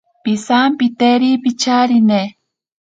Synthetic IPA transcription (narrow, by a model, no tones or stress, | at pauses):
pisampit̪eɾipit͡ʃaɾine